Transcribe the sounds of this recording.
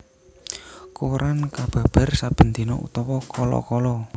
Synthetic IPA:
kuɾankab̥a̤b̥ə̤rsab̥ə̤nd̪inɔʔṵt̪ɔwɔkɔlɔ̰kɔlɔ

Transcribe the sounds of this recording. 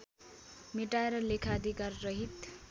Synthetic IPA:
meʈaeɾʌlekʰaʌd̪ʱikarrʌɦit̪

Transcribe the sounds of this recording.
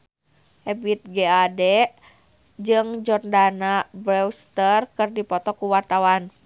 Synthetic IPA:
ʔɛbit̪̚ɡɛadɛ | d͡ʒɨŋd͡ʒɔrndanabɾɛwst̪ərkɨrdipɔt̪ɔkuwart̪awan

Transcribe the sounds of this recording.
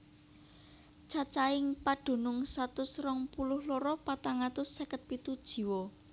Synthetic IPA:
t͡ʃat͡ʃaɪŋpaɖ̥ṳnʊŋsat̪ʊsrɔŋpulʊhloɾɔpat̪aŋat̪ʊsːɛkət̪̚pit̪ud̥ʒ̥i̤wɔ

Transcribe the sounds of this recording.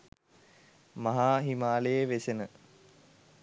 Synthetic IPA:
maɦaːɦimaːlejeʋesenə

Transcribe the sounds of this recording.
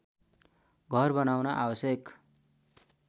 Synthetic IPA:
ɡʱʌrbʌnawnaʔabʌsjek

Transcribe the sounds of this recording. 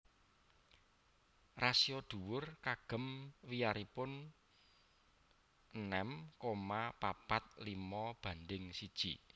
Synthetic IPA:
rasiɔd̪̥ṳwʊrkaɡ̥ə̤mwijaɾipʊn | ənɛmkomapapat̪̚limɔb̥ä̤nd̪ɪŋsid̥ʒ̥ḭ

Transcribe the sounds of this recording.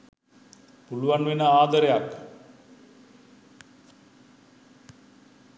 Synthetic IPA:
puluʋanʋenəaːd̪əɾejak

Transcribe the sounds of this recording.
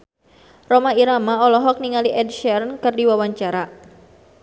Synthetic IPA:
romaiɾamaɔlɔɦɔk̚niŋaliʔɛdʃɛrnkɨrdiwawaɲt͡ʃaɾa

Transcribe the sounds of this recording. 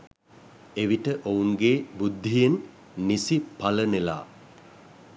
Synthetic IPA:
eʋiʈəʔouŋɡebud̪ʱːijenː | isipalənela̰ː

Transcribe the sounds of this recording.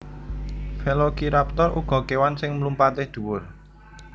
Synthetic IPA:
felokiɾap̚t̪ɔrṵɡ̥ɔ̤kewansɪŋməlumpat̪ɪhd̪̥ṳwʊr

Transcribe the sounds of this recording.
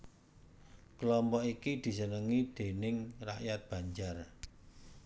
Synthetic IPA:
klɔmpɔikid̪̥i̤sənəŋid̪̥e̤nɪŋra̰ʔjat̪̚b̥ä̤ɲd͡ʒar

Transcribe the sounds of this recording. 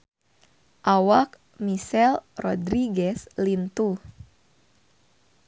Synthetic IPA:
ʔawak̚ | misɛlrɔdɾiɡɛslint̪u

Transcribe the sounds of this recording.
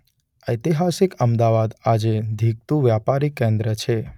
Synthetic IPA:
əjt̪iɦasɪkəmd̪aʋad̪ad͡ʒed̪ʱiɡ̚t̪ũʋjapaɾikẽnd̪ɾət͡ʃʰe

